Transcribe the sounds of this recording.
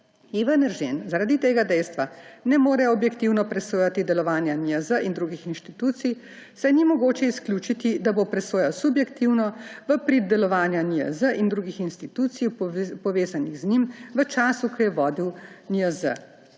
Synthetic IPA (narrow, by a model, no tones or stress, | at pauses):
iʋanəɾʒenzaɾaːd̪it̪eːɡad̪ɛjst̪ʋanɛmoːɾɛɔbjɛkt̪iwnɔpɾɛsoːjat̪id̪ɛlɔʋaːnjaniəzəʔind̪ɾuːɡixinʃt̪it̪uːt̪sij | sɛnimɔɡoːt͡ʃɛisklʲjuːt͡ʃit̪id̪abopɾɛsoːjawsubjɛkt̪iwnɔʋəpɾid̪̚d̪ɛlɔʋaːnjaniə̰zəʔind̪ɾuːɡixinst̪it̪uːt̪sijpɔʋeːzaniɣznimʋət͡ʃaːsukʰɔjɛʋɔːd̪iwniəzə̰